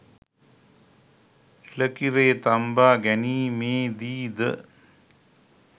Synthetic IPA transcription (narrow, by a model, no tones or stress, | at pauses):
ilɐkiɾeːt̪ɐmbaːɡɐniːmeːd̪iːd̪ə̰